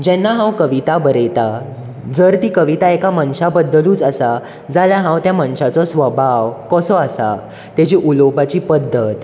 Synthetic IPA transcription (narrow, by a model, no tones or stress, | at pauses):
d͡ʑɛ̃nːaɦãwkəʋit̪abəɾet̪a | d͡zəɾt̪ikəʋit̪aekaməɳɕabəd̪ːluːt͡sasa | d͡zaljaɦãwt̪jaməɳɕat͡sɔsʋəbʱaʋkɔsɔasa̰ | t̪jat͡ɕiʔulobat͡ɕiːpəd̪ʱːət̪